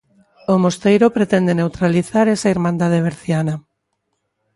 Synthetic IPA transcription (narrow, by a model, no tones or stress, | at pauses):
omost̪ejɾopɾet̪end̪enewt̪ɾaliθaɾesaiɾmãnd̪að̞eβeɾθjana